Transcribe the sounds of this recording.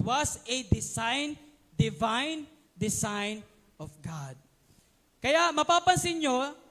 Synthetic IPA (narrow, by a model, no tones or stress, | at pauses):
wɐsɛd̪ɪsajn | d̪ɪvãjn | d̪ɪsajn | ɔfɡad̪̚ | kɐjaʔmɐpaːpɐnsɪɲjo